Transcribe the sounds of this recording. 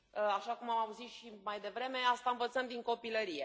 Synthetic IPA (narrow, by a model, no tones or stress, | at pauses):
aʃakumamauzit̪ʃimajd̪e̞vɾe̞me̞ast̪aɨnvət̪səmd̪iŋko̞piləɾije̞